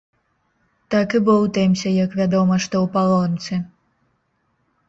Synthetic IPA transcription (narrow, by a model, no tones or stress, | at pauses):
t̪akɨbɨwt̪ɛmʲsʲɐjakvʲad̪ɔmɐʂt̪ɔwpalˠɔnt̪sɨ